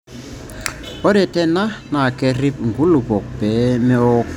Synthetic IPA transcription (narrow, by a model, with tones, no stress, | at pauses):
ɔ˦ɾɛ˨tɛ˦na˦na˨kɛ˦ri˦p̚ŋɡu˦lu˨bɔ˨k̚bɛ˨˦mɛ˦ɔ˦k